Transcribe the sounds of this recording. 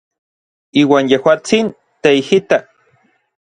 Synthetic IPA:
iːwaːnjehwaːt͡sin | t̪eihit̪a

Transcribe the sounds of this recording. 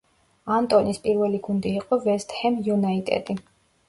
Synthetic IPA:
ant̪ʼɔnispʼiɾvɛliɡund̪iːqʼɔvɛst̪hɛmjunait̪ʼɛ̰d̪i

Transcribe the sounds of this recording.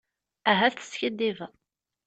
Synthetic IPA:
æɦæθə̥sçəd̪ːiv

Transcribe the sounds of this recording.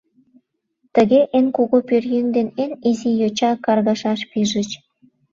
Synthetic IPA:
t̪əɣeʔenkuɣopørjønd̪enenizijot͡ɕɑkɑrɣɑʃɑʃpiʒə̆t͡ɕ

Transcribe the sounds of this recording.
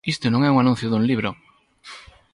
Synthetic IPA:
ist̪onõŋɛuŋanũn̟θjoðunliβ̞ɾo

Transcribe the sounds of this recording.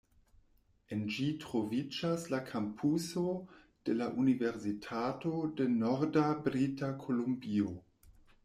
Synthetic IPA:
end͡ʒitɾo̞vid͡ʒaslakʰampʰuso | d̥e̞laʔunive̞ɾsitʰato̞de̞noɾdabɾitakʰo̞lombio

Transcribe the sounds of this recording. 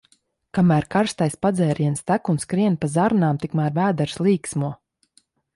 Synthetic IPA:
kamæːɾkaɾst̪ajspad̪zɛːɾiɛnst̪ækunskɾiɛnpazaɾnaːmt̪ikmaːɾvæːd̪ɛɾslˠiːksmuɔ

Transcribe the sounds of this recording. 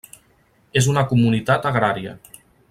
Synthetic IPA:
ezunəkumunit̪at̪əɣɾaɾiə̰

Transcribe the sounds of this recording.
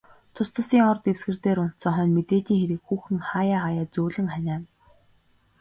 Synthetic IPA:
t̪ʰʊst̪ʰə̆siːŋɔrt̪ewsɡɘ̆rt̪eːɾʊn̥t̪t͡sɔχœːnmet̪eːɮiːŋxeɾɘ̆kxuːxɘ̆ŋχaːjaːajaːt͡suːɮɘ̆ŋχænʲæːn

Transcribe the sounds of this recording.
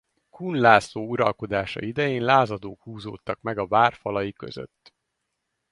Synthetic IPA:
kunlaːsoːuɾɒlko̞d̪aːʃɒ̰id̪ɛjeːnlaːzɒd̪oːkhuːzo̰ːt̪ːɒkmɛɡɒvaːrfɒlɒjikø̞̰zø̰t̪ː

